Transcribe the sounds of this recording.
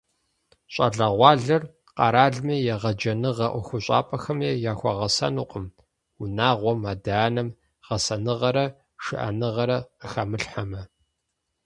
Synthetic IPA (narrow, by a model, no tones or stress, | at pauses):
ɕʷʼɐ̰ɮɐʁʷɑːɮɐr | qɑ̰ɾaːɮmiːjɛʁɐd͡ʒɐnɨʁɐʔʷxʷʊɕʼa̰ːpʼɐxɐmeːjaːxʷɔ̰ʁɐsɐ̰nuːqʼəm | unaːʁʷɔmaːdaːnɐm | ʁ̥ɐsɐnɨʁɐɾɐ | ʂɨ̰ʔɐ̰nɨʁɐɾɐəxɐmɨɬħamɐ